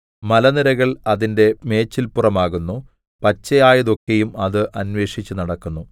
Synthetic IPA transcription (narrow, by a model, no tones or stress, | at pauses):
mɐlɐniɾɐɣɐɭɐðinde̞me̞ːt͡ɕːilpurɐmaːɣunːu | pɐt͡ɕːɐjaːjɐðo̞kːe̞jumɐðɨʔɐnwe̞ːʂit͡ɕːunɐɽɐkːunːu